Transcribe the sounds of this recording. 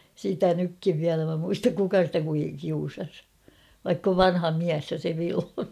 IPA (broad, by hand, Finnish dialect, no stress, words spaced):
sitæ nykːiʋ ʋiælæ mæ muistɑk kukɑ stæ kui kiusɑs ʋɑikː oʋ ʋɑnhɑ miæs jo se ʋilho